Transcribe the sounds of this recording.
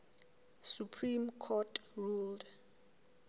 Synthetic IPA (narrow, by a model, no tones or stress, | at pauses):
supʰrimkʰɔtʰruld